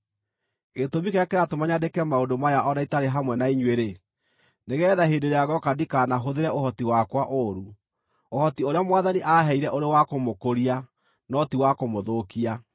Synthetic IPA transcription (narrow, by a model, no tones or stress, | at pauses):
ɣetomikejakeɾatomaɲadekɛmaodomajaʔɔnaitaɾeɦamwɛnaiɲweɾe | neɣɛːðaɦendeɾeaɣɔkadikaːnaɦoðeɾɛohɔtiwakwaʔoɾu | ohɔtioɾeamwaðaniʔaaɦɛiɾɛʔoɾewakomokoɾia | nɔtiwakomoðokia